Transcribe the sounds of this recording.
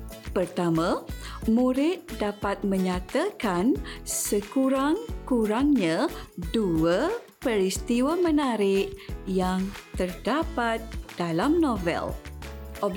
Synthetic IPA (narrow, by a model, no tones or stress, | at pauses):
pərt̪amãmũɾɪt̪̚dapat̪̚mə̃ɲãt̪akansəkuɾaŋkuɾaŋɲãduə | pəɾist̪iwamə̃nãɾɪʔjaŋt̪ərdapat̪̚d̥alamnõvɛ̰lʔɔ